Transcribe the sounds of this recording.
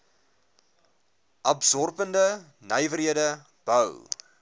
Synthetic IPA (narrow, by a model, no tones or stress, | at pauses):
ʔɐbsɔrpəndə | nəjvəɾɦiədə | b̥œw